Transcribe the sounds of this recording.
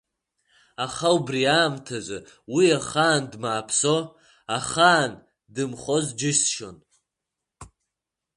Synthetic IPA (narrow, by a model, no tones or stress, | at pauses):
aχawubriaːmtʰazʷɨ | wiaχaːndmaːpʰso̞ | aχaːn | dɨmχozd͡ʒɪʃʃo̰n